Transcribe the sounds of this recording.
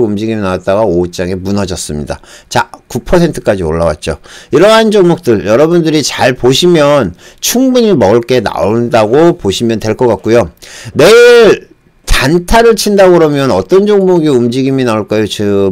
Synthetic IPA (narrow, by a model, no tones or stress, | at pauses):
umd͡ʑiɡiminawat̚t͈aɡaot͡ɕ͈aŋemunʌd͡ʑʌs͈ɯmɲida̰t͡ɕakupʰʌsʰe̞ntʰɯ̥k͈ad͡ʑio̰ɭːawa̰t̚t͡ɕ͈oiɾʌɦand͡ʑʌŋmok̚t͈ɯɭjʌɾʌbundɯɾit͡ɕaɭpoɕʰimjʌnt͡ɕʰuŋbuɲimʌuɭk͈e̞na̰ondaɡopoɕʰimjʌntwe̞ɭk͈ʌk͈ak̚k͈ujone̞iɭ | tantʰaɾɯɭt͡ɕʰindaɡɯɾomjʌnʌt͈ʌnd͡ʑoŋmoɡiumd͡ʑiɡiminaoɭk͈ajot͡ɕɯ